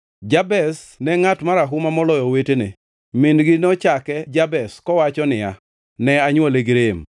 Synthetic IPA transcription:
d͡ʒabɛsnɛŋatmaɾaɦʊmamɔlɔjɔwetenḛ | mɪnɡɪnɔt͡ʃakɛd͡ʒabɛskɔwat͡ʃɔnɪja | nɛaɲwɔleɡɾem

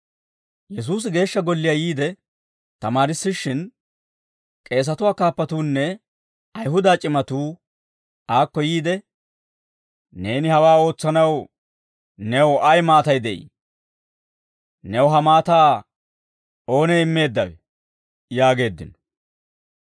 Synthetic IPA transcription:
jɛs̬uːs̬ɪɡe̞ːʃːɐɡɔlːɪjajiːd̪ɛ | t̪ɐmaːɾɪsːɪʃːɪn | kʼe̞ːs̬ɐt̪ʊwaːkaːpːɐt̪uːnːɛ | ɐjɦʊd̪aːt͡ʃʼɪmɐt̪uː | aːkːɔjiːd̪ɛ | ne̞ːnɪhɐwaːo̞ːt͡sːɐnɐw | nɛwɐjmaːt̪ɐjd̪ɛʔḭː | nɛwɦɐmaːt̪aː | o̞ːnɛɪmːe̞ːd̪ːɐwɛ̰ | jaːɡe̞ːd̪ːɪ̰nɔ

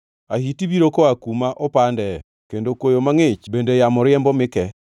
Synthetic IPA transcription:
ahitiβiɾokoakumaʔopandɛ | kendokwojomaŋet͡ʃbendejamɔɾɪɛmbɔmɪkɛ

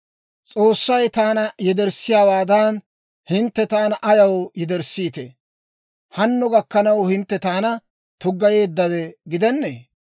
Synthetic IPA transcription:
t͡sʼo̞ːsːɐjt̪aːnɐjɛd̪ɛɾsɪjaːwaːd̪ɐn | hɪnt̪ːɛt̪aːnɐʔɐjɐwjɛd̪ɛɾsiːt̪ḛ | hɐnːʊɡɐkːɐnɐwhɪnt̪ːɛt̪aːnɐ | t̪ʊɡːɐje̞ːd̪ːɐwɛɡɪd̪ɛnːḛː

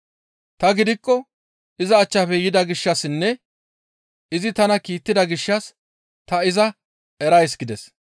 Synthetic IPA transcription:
t̪ɐɡɪd̪ɪkːɔ | ɪzɐːt͡ʃːɐpɛjɪd̪ɐɡɪʃːɐsɪnːɛ | ɪzɪt̪ɐnɐkiːt̪ːɪd̪ɐɡɪʃːɐs | t̪ɐɪzɐ | ɛɾɐjsɡɪd̪ɛs

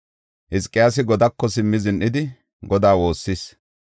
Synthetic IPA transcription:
hɪskʼːɪjaːs̬ɪɡɔd̪ɐkːɔsɪmːɪzɪnʔɪd̪ɪ | ɡɔd̪aːwo̞ːsːis

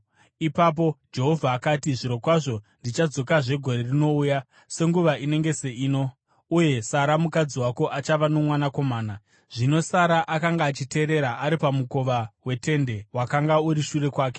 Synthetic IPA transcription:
ipap̬o̞d͡ʒe̞ɦo̞vʱaːkatiʐiɾo̞kwaʐo̞ndit͡ʃad͡zo̞kaʐe̞ɡʱo̞ɾe̞rino̞uːja | se̞ŋɡuʋaʔine̞ŋɡe̞se̞iːno̞ | uje̞saɾamukad͡ziwakoʔat͡ʃaʋano̞mwanako̞maːna | ʐ̥ino̞saɾaʔakaŋɡaːt͡ʃite̞ːɾe̞ɾaʔaɾipamuko̞ʋawe̞te̞nde̞wakaŋɡauɾiʃuɾe̞kwaːke̞̥

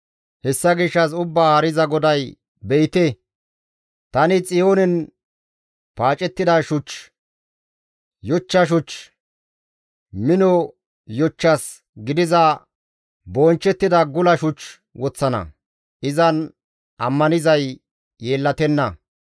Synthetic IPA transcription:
hɛsːɐɡɪʃːɐs̬ʊbːaːɐɾɪzɐɡɔd̪ɐj | bɛjt̪ɛ | t̪ɐnɪt͡sʼɪjoːnɛn | paːt͡ʃʼɛt̪ːɪd̪ɐʃʊt͡ʃ | jɔt͡ʃːɐʃ̬ʊt͡ʃ | mɪnɔ | jɔt͡ʃːɐs | ɡɪd̪ɪzɐ | bɔnt͡ʃːɛt̪ːɪd̪ɐɡʊlɐʃʊt͡ʃ | wɔt͡sːɐnɐ̰ | ɪzɐn | ʔɐ̰mːɐnɪzɐj | jeːlːɐt̪ɛnːɐ

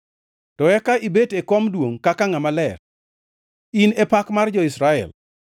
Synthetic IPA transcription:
tɔɛkaibetekomdwoŋkakaŋamalɛr | inepakmard͡ʒɔisɾaɛ̰l

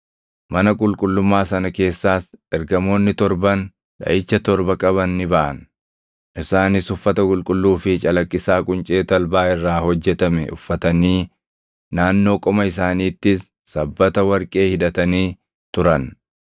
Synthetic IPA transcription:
mɐnɐkʼʊlkʼʊlːʊmːaːsɐnɐke̞ːsːaːsʔɛɾɡɐmo̞ːnːɪt̪ɔɾbɐn | ᶑɐ̰ʔɪt͡ʃːɐt̪ɔɾbɐkʼɐβɐnːɪbɐʔɐ̰n | ʔɪsaːnɪsʊfːɐt̪ɐkʼʊlkʼʊlːuːfɪt͡ʃʼɐlɐkʼːɪsaːkʼʊnt͡ʃʼe̞ːt̪ɐlbaːɪrːaːhɔd͡ʒːɛt̪ɐmɛ̰ʔʊfːɐt̪ɐniː | naːnːo̞ːkʼɔmɐɪs̬aːniːt̪ːɪsː | ɐbːɐt̪ɐwɐɾkʼe̞ːhɪd̪ɐt̪ɐniː | t̪ʊɾɐn

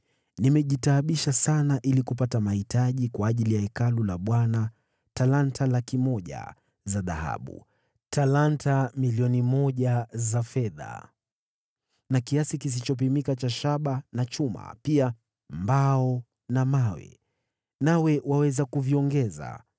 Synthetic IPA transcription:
nimɛʄitaːɓiʃasanaʔilikupatamahitaʄikwaːʄilijaɛkalulaɓwana | talantʰalakimɔʄa̰ | zaða̰ha̰ɓṵ | tʰalantʰamiliɔnimɔʄazafɛða̰ | nakiasikis̬it͡ʃɔp̬imikat͡ʃaʃaɓanat͡ʃuma̰pia | mbaɔ | namawɛ̰ | nawɛwawɛzakuviɔŋɡɛza̰

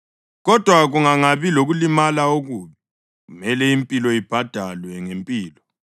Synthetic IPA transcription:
ɣɔd̥ʱwaɣuŋaŋaβiloɣulimalaoɣuβi | ɣumɛlɛimpʼilɔib̥ʱad̥ʱalwɛŋempʼiːlɔ

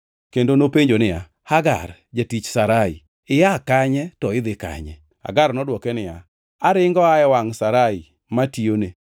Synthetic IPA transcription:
kendonopeɲd͡ʒonɪja | haɡa̰rd͡ʒatit͡ʃsaɾaḭ | ɪjakaɲɛtɔɪd̪ɪka̰ɲɛ̰ | ha̰ɡarnɔdwɔkɛnɪja̰ | aɾɪŋɡɔaɛwaŋsaɾai | matione

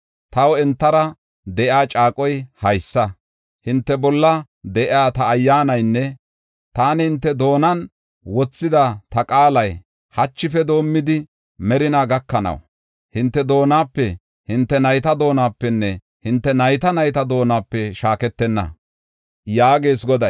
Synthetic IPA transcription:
t̪ɐwɛnt̪ːɐɾɐ | d̪ɛʔjaːt͡ʃʼaːkʼɔjhɐjsːɐ | hɪnt̪ːɛbɔlːɐ | d̪ɛʔɪaːt̪ɐːjːaːnɐjnːɛ | t̪aːnhɪnt̪ːɛd̪o̞ːnɐn | wɔt͡sːɪd̪ɐt̪ɐkʼaːlɐj | hɐt͡ʃːɪfɛd̪o̞ːmːɪd̪ɪ | mɛɾɪnaɡɐkːɐnɐ̰w | hɪnt̪ːɛd̪o̞ːnaːpːɛ | hɪnt̪ːɛnɐjt̪ɐd̪o̞ːnaːpːɛnːɛ | hɪnt̪ːɛnɐjt̪ɐnɐjt̪ɐd̪o̞ːnaːpːɛʃaːkɛt̪ːɛnːɐ̰ | jaːɡeːsɡɔd̪ɐj

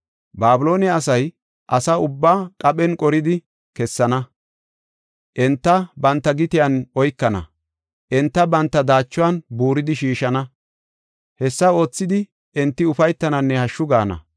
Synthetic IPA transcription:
baːbɪlo̞ːnɛɐsɐj | ʔɐsɐʊbːaːkʼɐɓɛnkʼɔɾɪd̪ɪ | kɛsːɐnɐ | ʔɛnt̪ːɐbɐnt̪ːɐɡɪt̪ɪjɐnɔjkːɐnɐ̰ | ʔɛnt̪ːɐbɐnt̪ːɐd̪aːt͡ʃːʊwɐnbuːɾɪd̪ɪʃiːʃɐnɐ | hɛsːɐo̞ːt͡sːɪd̪ɪ | ɛnt̪ːɪʊfɐjt̪ːɐnɐnːɛhɐʃːʊɡaːnɐ̰

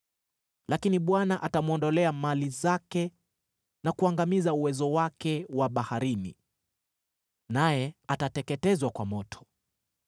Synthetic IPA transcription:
lakiniɓwanaʔatamuɔndɔlɛamalizakɛ | nakuaŋɡamizauwɛzɔwakɛwaɓahaɾini | najɛatatɛkɛtɛzwakwamɔtʰɔ̥

